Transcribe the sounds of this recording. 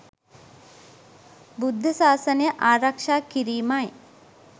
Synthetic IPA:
bud̪ʱːəsaːsənəjəʔaːɾakʂaːkiɾiːmaj

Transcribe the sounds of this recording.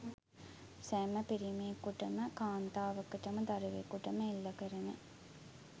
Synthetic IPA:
sɛːməpiɾimeːkuʈəməkaːnt̪aːʋɐkəʈəməd̪aɾeʋekuʈəməilːɐkəɾene

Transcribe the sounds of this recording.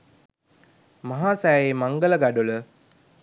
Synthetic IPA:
maɦaːsæːemaŋɡələɡaɖulə

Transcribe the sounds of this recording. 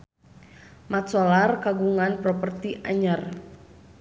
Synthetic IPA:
mat̪sɔlarkaɡuŋanpɾɔpərt̪iʔaɲər

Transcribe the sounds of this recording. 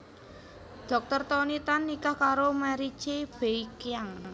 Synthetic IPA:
ɖ̪̥ɔ̤k̚t̪ərt̪ɔnit̪anːikahkaɾomaɾit͡ʃeb̥e̤ikjaŋ

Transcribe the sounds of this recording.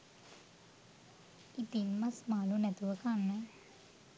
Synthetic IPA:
it̪inmɐsmaːlunɛt̪uʋəkanːə

